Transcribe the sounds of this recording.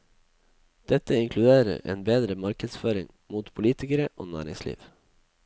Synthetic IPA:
d̪̥ɛt̪əɪŋkʰlʉd̪eːɾə̰ɾʔḛːnbeːd̪ɾəmɑɾkəd̪sføːɾɪŋ | muːt̪pʰʊliːt̪ɪkəɾəʔo̰ːnæ̰ːɾɪ̰ŋslḭːʋ

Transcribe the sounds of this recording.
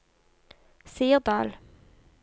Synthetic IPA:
siːəʁd̪ɑ̰ːl

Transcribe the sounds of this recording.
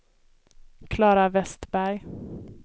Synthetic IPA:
kʰlɑːɾavɛst̪bæɾj

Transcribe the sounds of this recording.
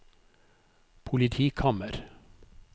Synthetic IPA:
pʰʊlɪt̪ʰiːkʰɑməɾ

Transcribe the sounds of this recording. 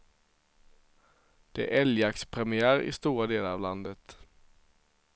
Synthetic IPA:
d̪̥ɛæ̰ʔɛljakspʰɾɛmɪæːɾɪ̰st̪uːɾad̪eːlaɾa̰vland̪ət̪

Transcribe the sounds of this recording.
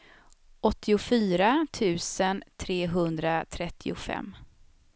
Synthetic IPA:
ʔɔt̪ʰːɪʊfyːɾat̪ʰʉ̟ːsənt̪ʰɾeːɦɵnd̪ɾat̪ʰɾɛt̪ʰːɪʊfɛ̰mː

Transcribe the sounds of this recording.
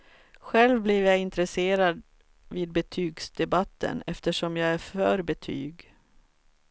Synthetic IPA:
ɧɛlvblɪvjaɪnt̪ɾɛseːɾad̪ | viːd̪̚bɛt̪ʰyːɡsd̪ɛbat̪ːə̰nɛft̪əʂɔmjɑːɡæɾfœːɾbɛt̪ʰy̰ːɡ

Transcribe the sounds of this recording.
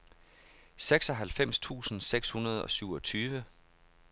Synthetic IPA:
seɡ̥sɒ̽ɦælfem̰st͡sʰṵːsn̩seɡ̥shunɐð̞̩ˠɒ̽syʊɒ̽t͡sʰyːʋə

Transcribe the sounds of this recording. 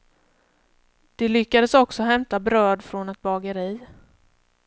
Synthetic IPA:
d̪̥ɛlʏkːad̪əsɔksɔɦɛmt̪abɾœːd̪fɾɔnɛt̪̚bɑːɡəɾiː

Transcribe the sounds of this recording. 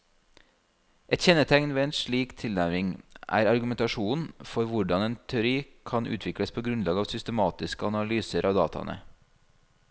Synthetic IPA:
ʔɛt̪çɛnːət̪ʰɛŋnʋeːeːnʂɭiːkt̪ʰɪlnæɾɾɪŋʔæ̰ːɾɑɾɡʉmɛnt̪ɑʃuːnfɔɾʋʊɖɑneːnt̪ʰɛʊɾiːkʰɑnʔʉ̰ːt̪ʰʋɪkɽəspʰoːɡɾʉnlɑːɡɑːʋsʏst̪əmɑːt̪ɪskəɑnɑlyːsəɾʔɑːʋd̪ɑːt̪ʰɑ̰nʔə̰

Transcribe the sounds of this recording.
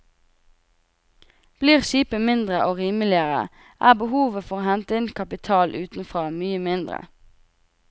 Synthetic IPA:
b̥liːʁʃiːpəmɪnd̪ʁəʔoːʁiːməlɪəʁə̰ | ʔæːbəhuːʋəfɔʁoːhɛnt̪əɪnkʰɑpɪt̪ʰɑːlʔʉːt̪n̩fʁoːmyːəmɪnd̪ʁə̰

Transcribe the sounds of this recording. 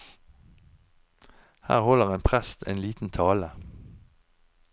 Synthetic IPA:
hæ̰ːʁhɔləʁeːnpʰʁæst̪ʰḛːnliːt̪n̩t̪ʰɑːlə

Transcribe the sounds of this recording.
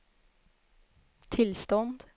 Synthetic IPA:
t̪ʰɪlst̪ɔnd̪

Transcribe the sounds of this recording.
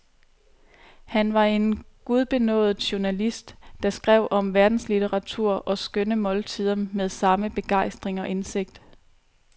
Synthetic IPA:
hænʋɑ̈e̝nɡ̥uð̞ˠb̥e̝nɔ̰̽ːð̩ˠɕuɐnælisd̥ːɑ̈sɡ̥ʁɛʊ̰ʔɒ̽mʋæɐd̥n̩slit͡sʰeʁɑ̈t͡sʰuɐ̰ʔɒ̽sɡ̥ønəmɒ̽lt͡sʰið̰ˠɐnmeð̞ˠsɑ̈məb̥e̝ɡ̥ɑ̈ɪsd̥ʁeŋɒ̽ʔe̝nse̝ɡ̥̚d̥

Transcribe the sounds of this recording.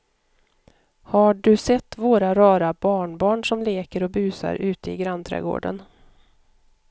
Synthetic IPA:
haɖɵsɛt̪ːvoːɾaɾɑːɾabɑːɳbɑːɳʂɔmleːkəɾɔbʉ̟ːsa̰ɾʉ̟ːt̪əɪɡɾant̪ʰɾɛ̰ːɡo̰ːɖə̰n

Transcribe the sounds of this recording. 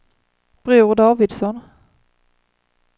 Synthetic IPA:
b̥ɾʉːʁd̪ɑːvɪd̪sɔn

